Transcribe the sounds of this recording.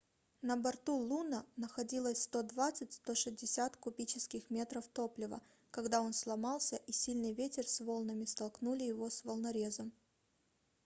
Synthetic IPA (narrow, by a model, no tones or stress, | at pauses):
nəbɐrt̪ulˠunənəxɐdʲilˠəsʲst̪o̞d̪vat̪sɨtʲst̪o̞ʂɨzʲdʲɪsʲat̪kʊpʲit͡ɕɪskʲɪxmʲe̞t̪ɾəft̪o̞plʲɪvə̰ | kɐɡd̪ao̞nslˠɐmɑlˠsʲəʔisʲilʲnɨjvʲetʲɪrsvo̞lˠnəmʲɪst̪ɐlˠknulʲɪjɪvo̞svəlˠnɐɾʲe̞zəm